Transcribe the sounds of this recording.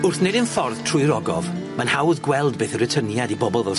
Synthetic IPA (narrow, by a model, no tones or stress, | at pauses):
ʊrθnedɪnfɔrðtʰr̥ʊːɨɾɔɡɔ̰v | manhawðɡwɛlˠdbeːθərətʰənjadibɔbɔlˠðɔ